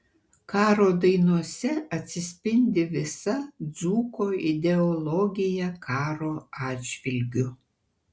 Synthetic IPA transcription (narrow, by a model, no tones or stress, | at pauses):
kɑːɾoːd̪ɐɪnuɔsʲɛɐt̪ʲsʲɪsʲpʲɪnʲd̪ʲɪʋʲɪsɐd̪zuːkoːɪd̪ʲɛɔlˠɔɡʲɪjɛkʰɑːɾoːɑːd͡ʒʲʋʲɪlʲɡʲʊ